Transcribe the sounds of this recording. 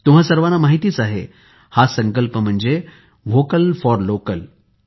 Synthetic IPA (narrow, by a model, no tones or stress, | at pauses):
t̪um̤asəɾʋanamaɦit̪iːt͡saɦḛ | hasə̃ŋkəlpəm̤əɳd͡ze | ʋokəlfɔɾlokəl